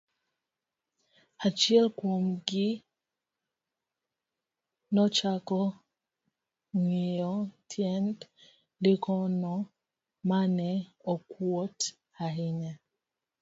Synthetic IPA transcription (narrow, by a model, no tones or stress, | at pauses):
at͡ʃjɛlkwomɡɪ | nɔt͡ʃakɔ | ŋiɔtʰjɛnt | likʰɔnɔ | manɛɔkwot | aɦɪɲa